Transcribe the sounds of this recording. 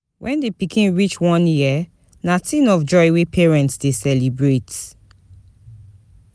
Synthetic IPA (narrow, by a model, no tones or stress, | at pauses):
wʔɛ̃ndepikʰĩnɹit͡ʃwɔ̃njia | natʰĩnɔfd͡ʒɔjwepʰɛɹɛ̃ntsdesɛlibɹet